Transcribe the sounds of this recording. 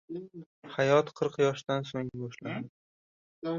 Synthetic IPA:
hajɒt̪qʰɨɾqjɒʃd̪ansoŋbɒʃlanɪ

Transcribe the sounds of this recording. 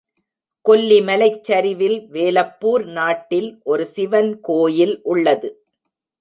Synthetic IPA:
kɔlːimɐlɐɪt͡ʃːɐɾɪʋɪlʋeːlɐpːuːɾnaːʈːɪlʔɔɾɯsɪʋɐnkoːjɪlʔʊɭːɐðɯ

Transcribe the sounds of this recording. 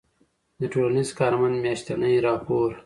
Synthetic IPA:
d̪əʈolanizkɑːɾmand̪mjaʃt̪anəjɾɑːpoːɾ

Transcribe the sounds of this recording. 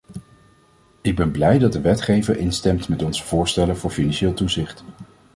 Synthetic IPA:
ɪɡ̚bɛnblɛjdɑt̚dəʋɛtχejvəɹʔɪnstɛmtmɛtɔnzəv̥ʊːɹstɛləvʊːɹfinɑnʃeːlˠtuzɪχt

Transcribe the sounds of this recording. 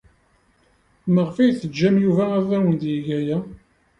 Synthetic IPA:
məʁfijθəd͡ʒːæmjuvææðæwənd̪jiʝæjæ

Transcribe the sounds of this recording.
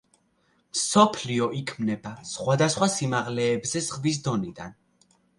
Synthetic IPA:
msɔpʰliɔʔikʰmnɛbasχwad̪asχwasimaʁlɛːbzɛzʁvis̬d̪ɔnid̪a̰n

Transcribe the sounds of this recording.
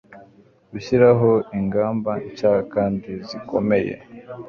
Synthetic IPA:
ɡuɕiɾaɦo̞iŋɡaːmbaɲcaːkaːndiziko̞me̞jḛ

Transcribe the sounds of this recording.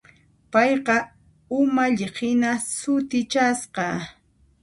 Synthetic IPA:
pɑjqɑ | ʊmaʎɪɢɪnasʊt̪ɪt͡ʃasqɑ

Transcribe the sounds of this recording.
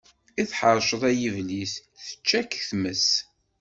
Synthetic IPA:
iθħəɾˤʃəðˤæjivlisθə̥t͡ʃːækθməs

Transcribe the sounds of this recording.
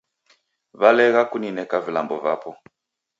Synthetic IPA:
βalɛɣakuninɛkavila̰mbɔvaːpɔ

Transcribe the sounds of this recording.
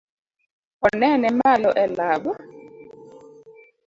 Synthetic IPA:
ɔnɛnɛmalɔʔɛlaɓa

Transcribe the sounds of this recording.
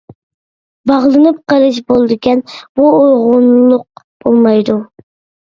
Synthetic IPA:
bɑʁlˠɨnɨp̚qəɾɨʃ̬bolˠɨd̪ɨkʲɛnb̥uojʁʊnlˠʊq̚ | b̥olˠmɑjd̪u

